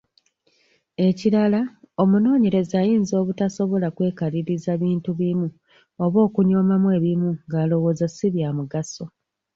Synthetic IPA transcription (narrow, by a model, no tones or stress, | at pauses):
e̞ciɾala | o̞muno̞ːɲe̞ɾe̞zajiːnzo̞ːβutaso̞βo̞lakwe̞ːkaɾiɾizaβiːntuβimu | o̞βo̞ːkuɲo̞ːmamwe̞ːβimuŋɡaːlo̞wo̞ːzasiβjamuɡaso̞